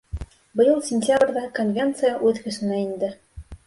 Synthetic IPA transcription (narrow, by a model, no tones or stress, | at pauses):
bɤ̆jɤlˠsʲɪnʲtʲabrʲðɑkonvʲe̞nt̪sɨjaʔʉðkɵ̆sɘ̆næind̪ɘ